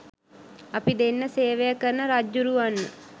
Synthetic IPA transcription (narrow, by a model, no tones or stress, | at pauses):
apid̪enːəseːʋejakəɾnəɾad͡ʒuɾuʋanːə